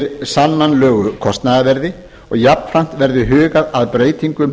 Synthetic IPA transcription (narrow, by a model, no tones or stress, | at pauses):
ɾsanːanlœːɣʏkʰɔst̪naðavɛɾðɪ | ɔɣjapn̥fɾam̥t̪vɛɾðʏɦʏːɣaðaðpɾeːjt̪iŋkʏm